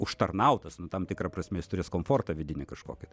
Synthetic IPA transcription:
ʊʃt̪ɐrnɐʊt̪ɐsnʊt̪ɐmt̪ʲɪkɾɐprɐsʲmʲɛjɪst̪ʊɾʲeːskoːmfoːrt̪ɐʋʲɪd̪ʲɪnʲɪkɐʃkoːkʲɪt̪

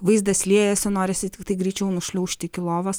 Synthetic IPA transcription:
ʋɐɪsd̪ɐsʲlʲiɛjɛsʲɛnoːɾʲɛsʲɪt̪ʲt̪ɐɡɾʲit͡ʃʲɛʊnʊʃʲlʲɛʊʃʲt̪ʲɪkʲɪlˠoːʋɐs

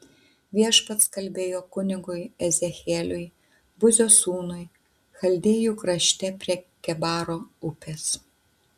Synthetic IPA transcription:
ʋʲiɛʃpɐt̪skɐlʲbʲeːjoːkʊnʲɪɡʊɪɛzʲɛxʲeːlʲʊɪ | bʊzʲoːsuːnʊɪ | xɐlʲd̪ʲeːjuːkɾɐʃʲt̪ʲɛpʲɾʲiɛkʲɛbɑːɾoːʊpʲeːs

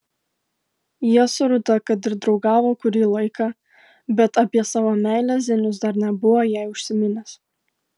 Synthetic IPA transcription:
jiɛsʊɾʊt̪ɐkɐt̪ɪɾd̪ɾɒʊɡɑːʋoːkʊɾʲiːlˠɐɪkɑ | bʲɛt̪ɐpʲiɛsɑːʋoːmʲæˑɪlʲæzʲɛnʲʊs̬d̪ɐɾnʲɛbʊʋoːjæˑɪʊʃʲsʲɪmʲɪnʲɛs

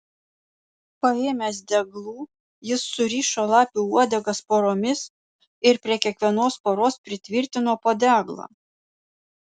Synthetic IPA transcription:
pɐeːmʲɛsd̪ʲɛɡlˠuː | jɪsːʊɾʲiːʃoːlˠɑːpʲuːuɔd̪ʲɛɡɐspoːɾoːmʲɪs | ɪɾpʲɾʲiɛkʲiɛkʋʲiɛnoːspoːɾoːspʲɾʲɪt̪ʲʋʲɪɾʲt̪ʲɪnoːpoːd̪ʲæːɡlˠɐ̰ː

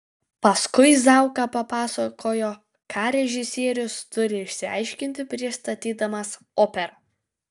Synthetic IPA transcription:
pɐskʊɪzɑˑʊkɐpɐpɑːsɐkʰoːjoː | kʰɑːɾʲɛʒʲɪsʲiɛɾʲʊst̪ʊɾʲɪɪʃʲsʲɪɑ̰ɪʃʲkʲɪnʲt̪ʲɪpʲɾʲɪst̪ɐt̪ʲiːd̪ɐmɐs | oːpʲɛɾɐ

